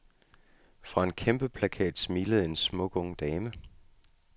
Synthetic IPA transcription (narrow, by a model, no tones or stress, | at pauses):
fʁɑ̈e̝nkʰemb̥əpʰlækʰɛ̰ːd̥smiːləð̩ˠe̝nsmɔ̽ɡ̥ɔ̽ŋ̰d̥ɛːmə